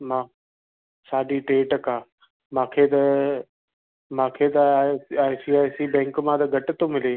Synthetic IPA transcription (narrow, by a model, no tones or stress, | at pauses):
mãː | saːɗiʈeːʈəkãː | mãːkʰet̪ɐ | mãːkʰet̪ɐaːjsiaːjsibɛ̃ːŋkmãt̪ɐɡʱɐʈɪt̪omɪleː